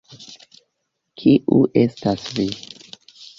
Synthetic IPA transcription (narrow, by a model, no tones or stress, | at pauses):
kʰiʔuʔe̞stasvi